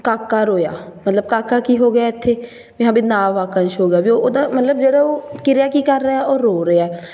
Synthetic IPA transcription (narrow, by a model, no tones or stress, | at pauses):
kaːkːaːɾoːja̰ːmət̪ləb̚kaːkaːkiːɦoːɡɪjaːɪt̪ʰːeː | bɪɦãːbiːnaːʋaːkənʃɦoːɡɪjaːbioːd̪aːmət̪ləbd͡ʒeːɽaːoːkɪɾɪjaːkiːkəɾːəaːoːɾːoːɾəaɛː